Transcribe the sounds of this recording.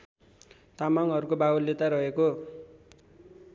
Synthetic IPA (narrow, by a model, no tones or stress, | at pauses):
t̪amaŋʌɾukobawolːet̪aɾʌɦeko